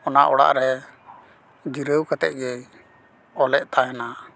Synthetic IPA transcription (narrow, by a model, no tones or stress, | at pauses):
ɔna̰ʔɔɽa̰ʔɾɛ | d͡ʒiɾəwkat̪ɛ̰ʔ̚ˀɡɛj | ɔlɛʔ̚t̪aɦɛna